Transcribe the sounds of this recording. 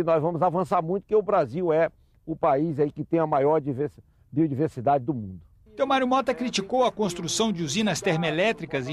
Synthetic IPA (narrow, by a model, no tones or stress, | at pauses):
ɪnɔzvɐ̃mʊzavɐ̃saɾmũj̃t̪ʊ̥kɪʊbɾaziwɛ | ʊpaizaikɪt̪ẽj̃ɐmajɔɾd͡ʒives | biod͡ʒiveɾsid̪ad͡ʒɪd̪ʊmũnd̪ʊ | t̪ewmaɾjumɔt̪ɐkɾit͡ʃikowɐkõst̪ɾusɐ̃w̃d͡ʒɪuzĩnɐst̪ɛɾmelɛt̪ɾikɐz